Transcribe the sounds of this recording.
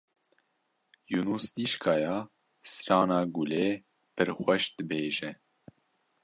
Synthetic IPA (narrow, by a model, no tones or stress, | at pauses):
junuːsd̪iʃkʰɑːjɑː | sɨɾɑːnɑːɡuleː | pɨɾxʷɛʃd̪ɨbeːʒɛ